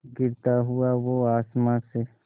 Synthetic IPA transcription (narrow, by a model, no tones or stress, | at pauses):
ɡɪɾt̪aɦuaʋoaːsmase